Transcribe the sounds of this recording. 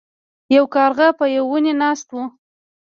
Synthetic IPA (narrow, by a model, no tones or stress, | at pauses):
jawkɑɾɣapəjawːunenɑst̪wu